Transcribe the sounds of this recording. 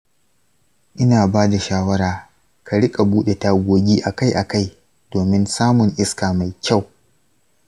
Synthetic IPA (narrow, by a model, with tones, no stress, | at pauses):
ʔɪ˦naː˨baː˦da˨ʃaː˦wɐ˦ɽaː˨ | ka˨ɽɪ˦kʼa˨buː˦ɗe˨ta˦ɡʷoː˦ɡʲiː˦ʔa˨ka˦jʔa˨ka˦j | doː˨mɪ˦nsaː˦mʊ˨ŋʔɪ˦skaː˨ma˨jkʲa˦˨w